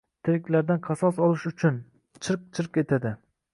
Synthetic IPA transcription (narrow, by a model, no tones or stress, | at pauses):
t̪ʰɪɾkʲlaɾd̪anqʰɑsɒsɒlˠɪʃʊt͡ʃʰʊn | t͡ʃʰɨɾq̚t͡ʃʰɨɾqe̞t̪ʰad̪ɪ